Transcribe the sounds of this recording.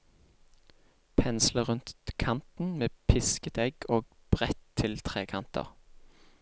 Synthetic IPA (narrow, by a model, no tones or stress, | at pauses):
pʰɛnsləʁʉnt̪kʰɑnt̪n̩meːpʰɪskət̪ʰɛɡoːɡ̚b̥ʁɛt̪ʰːɪlt̪ʰʁeːkʰɑnt̪ʰə̰ʁ